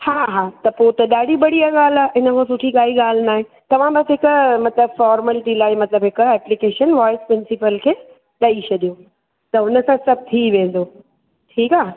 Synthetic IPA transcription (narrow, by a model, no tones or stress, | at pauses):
haːɦaːt̪ɐpot̪ɐɗaːɖʱibɐɽiaɠaːl̤aːeɦɪnəkʰə̃sʊʈʰiɠaːɦiɠaːl̤naːɦẽ | t̪ɐʋ̤ãbɐsɦɪkʊmɐt̪ləbfɔːɾməlɪʈilaːɪmɐt̪ləbɦɪkɛːplɪkeːʃənʋaːɪspɾɪ̃nsɪpəlkʰeː | ɗaːit͡ɕʰɐɗijo | t̪ɐɦʊnəsãsɐb̚ʱt̪ʰiːʋẽːnd̪oː | ʈʰiːkaː